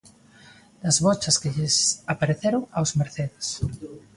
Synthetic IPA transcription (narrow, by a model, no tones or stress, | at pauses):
d̥̪ɐzβɔt͡ʃɐskɪʎɪsapaɾeθeɾoŋawzmeɾθeðes